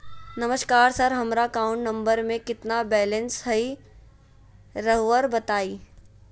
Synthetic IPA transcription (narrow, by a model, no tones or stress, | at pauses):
nɐməʃkaːɾsɐɾɦɐmɾakaːʊ̃ɳʈnɐ̃mbəɾmẽkɪt̪nabɛːlə̃nsɦɐi | ɾɐɦʋəɾbɐt̪aːiː